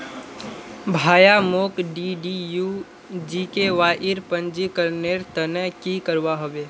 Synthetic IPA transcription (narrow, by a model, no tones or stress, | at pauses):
bʱaːjamoːkɖiɖiju | d͡ʒikeʋaːʔɪɾpə̃nd͡ʒikəɾneɾt̪ənəkikəɾʋaɦoʋeː